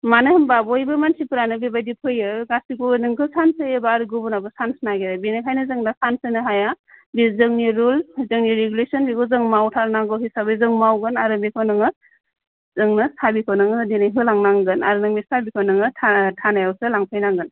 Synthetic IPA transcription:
manɯhɯmbabɔjbɯmansipɯɾanɯbibajdipʰɯjɯɡasikunɯŋkʰɯsansɯjɯbaɾɡubunabɯsansnaɡeɾabinakʰajnɯzɯŋdasansɯnɯɦaja | bizɯŋniɾulzɯŋniɾeɡulesɔnbikʰozɯŋmawtʰaɾnaŋɡɯwhisabɯjzɯŋmawɡɯnaɾɯmikʰɯwnɯŋɯ | zɯŋnɯsabikʰownɯŋɯdinajɦɯlaŋnaŋɡɯna̰ɾɯnɯŋmisabikʰownɯŋɯtʰatʰanajawsɯlaŋpʰɯjnaŋɡɯn

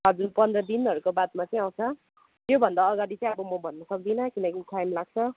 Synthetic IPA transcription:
ʌd͡zunpʌnd̪rʌd̪inɦʌɾukobat̪̚mat͡sʌĩaw̃t͡sʰʌ | t̪jobʱʌnd̪aːɡaɽit͡sʌĩʌbʌmʌbʱʌnːʌsʌk̚d̪inʌkinʌkikʰajmlaɡ̚t͡sʰʌ

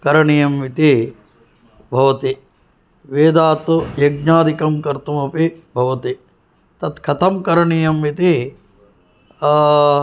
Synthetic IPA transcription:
kɐɾɐɳijɐmʋit̪i | bʱɐʋɐt̪i | ʋeːd̪aːt̪ujɐɡ̚ɲaːd̪ikɐmkɐɾt̪umɐpibʱɐʋɐt̪i | t̪ɐt̪kʰɐt̪ʰɐmkɐɾɐɳijɐmʋit̪i

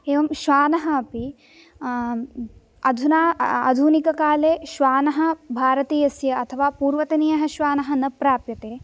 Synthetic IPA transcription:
eːʋɐmʃʋaːnɐɦɐɐpi | ɐd̪ʱunaːɐ̰d̪ʱunikɐkaːleːʃʋaːnɐɦɐ̆bʱaːɾɐt̪iːjɐsjɐʔɐt̪ʰɐʋaːpuːɾʋɐt̪ɐnijɐɦɐʃʋaːnɐɦɐnɐpɾaːpjɐt̪eː

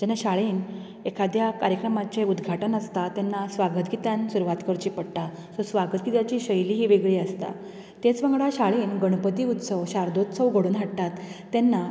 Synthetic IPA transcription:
d͡ʑɛnːaɕaɭiːn | ekʰad̪jakaɾjəkɾəmat͡seud̪ɡʱaʈənəst̪at̪jɛnːasʋaɡət̪ɡit̪ansuɾuʋat̪kəɾt͡ɕiːpəɽʈ̪a | sosʋaɡət̪̚ɡit̪at͡ɕiːɕəjliːɦiːʋeɡɭiːəst̪a̰ | t̪et͡sʋə̃ŋɡɭaɕaɭiːnɡəɳ̃pət̪iːut̪səʋɕaɾd̪ot̪səʋɡʱəɽuːnɦaɽt̪at̪ː | enːa

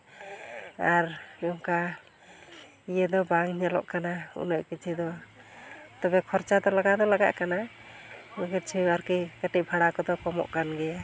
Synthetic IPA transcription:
aɾmiɔmka | ijɛd̪ɔbaŋɲalɔ̰ʔkanaṵnəʔkit͡ʃʰid̪ɔ | t̪ɔbɛkʰɔɾt͡ʃad̪ɔlaɡad̪ɔlaɡa̰ʔkana | məkət͡ʃʰiaɾkikəʈibʰʱaɽakɔd̪ɔkɔmɔ̰ʔkanɡɛ

